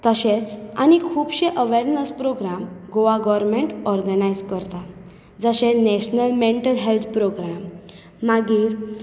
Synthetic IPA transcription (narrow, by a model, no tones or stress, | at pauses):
t̪əɕet͡sañikʰuːbɕeʔəʋeɾnəspɾoɡɾamɡoʋaɡɔʋɾmeɳʈɔɾɡənajd͡zkəɾt̪a | d͡zəɕẽnɛɕnəlmeɳʈəlɦelt̪ʰpɾoɡɾamː | aɡiːɾ